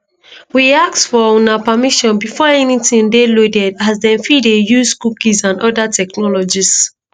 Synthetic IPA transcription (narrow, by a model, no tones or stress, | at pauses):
wiaksfɔɔ̃napamiʃɔ̃nbifɔɛnitĩŋdelodɛdazdɛ̃nfidejuzkukizãndɔdatɛknɔlɔd͡ʒis